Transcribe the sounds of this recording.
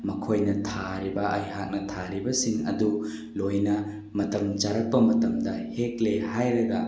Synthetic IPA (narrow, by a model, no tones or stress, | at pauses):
mɐkʰojnɐtʰaɾibɐʔɐjɦak̚nɐtʰaɾibɐsiŋɐ̰du | lojnɐ | mɐtɐmt͡ʃaɾɐk̚pɐmɐtɐmdɐhek̚lehajɾɐɡɐ